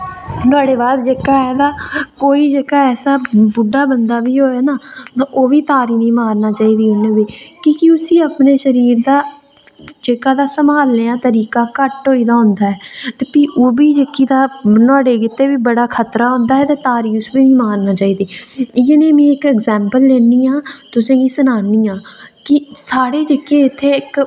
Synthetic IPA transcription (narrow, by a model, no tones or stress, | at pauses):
t̪ʊaːɽeːbaːd̪d͡ʒeːkaːɦɛːd̪aːkoːiːd͡ʒeːkaːɛːsaːbʊɖaːbənd̪aːʋiːɦoːeːnaːt̪aʔoːʋiːt̪aːɾiːnĩːmaːɾnaːt͡ʃaːiːd̪iːʊneːʋiːkikiʊsiːəpneːʃəɾiːɾd̪aː | d͡ʒeːkaːd̪aːsəmaːlneːãːt̪əɾiːkaːkəʈɦoːiːd̪aːɦʊ̃nd̪aːɦɛːt̪eːpiːʔoːbiːd͡ʒeːkiːd̪aːnɔːɽeːkɪt̪ːeːʋiːbəɽaːkʰət̪ɾaːɦʊ̃nd̪aːɦɛːt̪eːt̪aːɾiːʊsʋiːnĩːmaːɾnaːt͡ʃaːiːd̪iːɪenẽːmĩːɪkɛːɡzɛːmpəlːeːniːãːt̪ʊsẽːɡiːsənaːniːãːkɪsaːɽeːd͡ʒeːkeːɪt̪ʰːeːɪk